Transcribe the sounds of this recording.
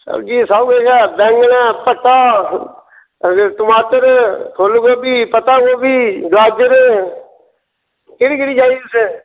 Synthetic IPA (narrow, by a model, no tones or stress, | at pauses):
sə̰bd͡ʒiːsaːuɡeːkɛːbɛ̃ːŋɡnɛːpət̪aː | t̪ʊmaːt̪əɾt̪ʰoːlɡoːbiːpət̪aːɡoːbiːd̪aːd͡ʒəɾe | keɽiːkɪɽiːd͡ʒaːise